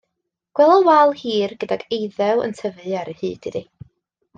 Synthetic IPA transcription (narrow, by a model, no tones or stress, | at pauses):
ɡ̥wɛlˠɔwalˠhiːrɡ̥ədaɡejðɛwə̰ntʰəvɨaɾəhɨ̰ːd̥idi